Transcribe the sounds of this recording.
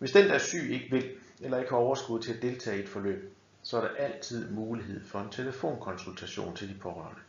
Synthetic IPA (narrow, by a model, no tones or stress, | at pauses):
ʋe̝sd̥end̥æɐsy̰ːe̝ɡ̥əʋe̝lelɐe̝ɡ̥əhɑ̈ɒʊɐsɡ̥uðˠt͡sʰe̝læd̥e̝lt͡sʰɛ̰ːed̥fɒ̽lø̰ːb̥̚ | sɒ̽æɐɾɑʔæl̰t͡sʰið̞̰ˠmuːliɦe̝ð̞̰ˠfɒ̽e̝nt͡sʰe̝ləfo̝̰ːnkʰɒ̽nsult͡sʰæɕo̝̰ːnt͡sʰe̝ld̥ipʰɒ̽ʁœ̰ːɐnə